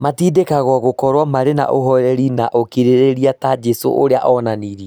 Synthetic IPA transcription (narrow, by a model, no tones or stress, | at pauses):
matiːdekaɣwaɣokɔɾwamaɾena̰ʔoɦɔɾɛɾinaʔokiɾeɾeɾiatad͡ʒɛso̰ʔoɾea̰ʔɔnaniɾiɛ